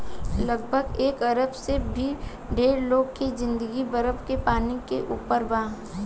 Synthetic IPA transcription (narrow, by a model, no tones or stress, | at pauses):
lɐɡbʱəɡeːkɐɾəbsebʱi | ɖeːɾloːɡkezɪ̃nd̪əɡibɐɾəbkepaːnikeʔuːpəɾbãː